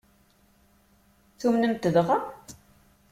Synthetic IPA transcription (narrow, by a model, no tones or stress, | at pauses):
θumnəmt̪əðʁa